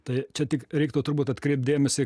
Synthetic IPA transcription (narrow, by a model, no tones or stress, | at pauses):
t̪ɐɪt͡ʃʲɛt̪ʲɪkɾʲɛɪkt̪oːt̪ʊrbuːt̪ɐt̪kɾʲɛɪp̚t̪̚d̪ʲeːmʲɛsʲɪ